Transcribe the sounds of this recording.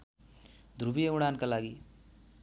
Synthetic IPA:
d̪ʱrubijeuɽ̃ankalaɡi

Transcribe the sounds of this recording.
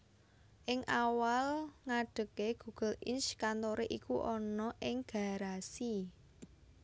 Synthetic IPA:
ʔɪŋʔawalŋaɖ̥ə̤keɡ̥ṳɡ̥ə̤lɪnskant̪oɾeʔikuʔɔnɔʔɪŋɡ̥a̤ɾasi

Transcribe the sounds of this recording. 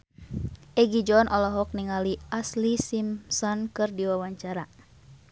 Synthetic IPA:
ʔɛɡid͡ʒɔnʔɔlɔɦɔk̚niŋaliʔaslisimsɔnkɨrdiwawaɲt͡ʃaɾa

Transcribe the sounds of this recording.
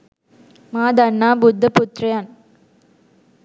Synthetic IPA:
maːd̪ɐnːaːbʊd̪ʱːɐpʊt̪ɾɐjaːn

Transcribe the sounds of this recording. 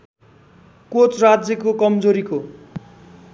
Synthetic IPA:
kot͡srad͡zjʌkokʌmd͡zoɾiko

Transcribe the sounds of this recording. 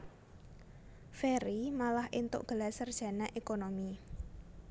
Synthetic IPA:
feɾimalahʔint̪ʊ̰ʔɡ̥ə̤lasərd̥ʒ̥ä̤naʔekonomi

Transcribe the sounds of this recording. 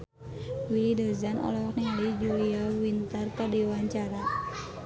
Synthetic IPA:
wilidəzanɔ̰lɔknɛlid͡ʒuliawint̪ərkadiwaɲt͡ʃaɾa

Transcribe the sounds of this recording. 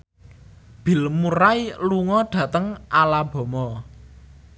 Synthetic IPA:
b̥i̤lmuɾajluŋɔɖ̥ä̤t̪əŋʔalab̥ɔ̤mɔ

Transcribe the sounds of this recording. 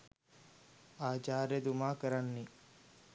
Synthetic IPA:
aːd͡ʒaːɾed̪umaːkəɾanːi

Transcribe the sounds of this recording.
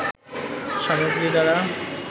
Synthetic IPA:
ʃamoɡɾid̪aɾa

